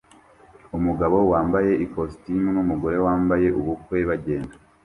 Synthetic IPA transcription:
umuɡaβo̞waːmbaje̞ikostimunumuɡo̞ɾe̞waːmbaje̞ʔuβukwe̞βaɟe̞ːnda

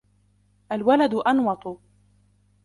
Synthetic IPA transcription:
ʔalwalad̪ʊʔɑnwɑt̪ˤʊ

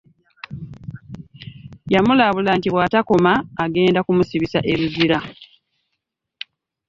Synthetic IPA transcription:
jamulaβulantiwatako̞maːɡe̞ːndakumusiβisaʔe̞ɾuziɾa

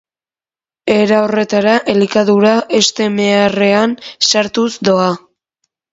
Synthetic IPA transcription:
e̞ɾaore̞t̪aɾaʔelikaðuɾae̞st̪e̞meare̞ansaɾt̪usd̪o̞a

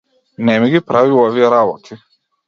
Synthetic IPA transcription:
nɛmiɡipɾaviuoviɛɾabɔt̪ʰi

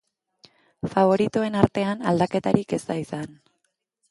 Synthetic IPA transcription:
faβ̞o̞ɾit̪ue̞naɾt̪e̞anald̪ake̞t̪aɾike̞saisan

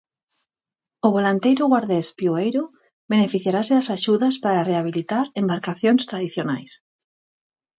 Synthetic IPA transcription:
ʊβolant̪ejɾʊɣwaɾðespjoejɾʊ | benefiθjaɾaseðasaʃuðaspaɾareaβ̞ilit̪aɾembaɾkaθjoŋst̪ɾaðiθjona̰js

